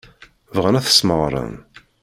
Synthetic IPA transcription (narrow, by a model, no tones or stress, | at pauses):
vʁənæθə̥sməʁɾˤə̰n